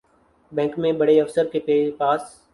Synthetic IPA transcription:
bɛ̃ːŋkmẽːbəɽeːəfsəɾkeːpeːpaːs

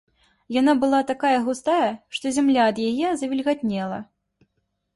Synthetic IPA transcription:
janabɨlˠat̪akajɐɣust̪ajɐʂt̪ɔzʲamlʲaːd̪jajɛzɐvʲilʲɣat̪ʲnʲɛlˠɐ̰

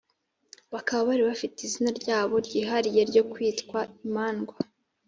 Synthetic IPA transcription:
βakaβaβaɾiβafitizinaɾɟaːβo̞ɾɟiːɦaɾije̞ɾɟo̞kwiːtkwaimaːnɡwa

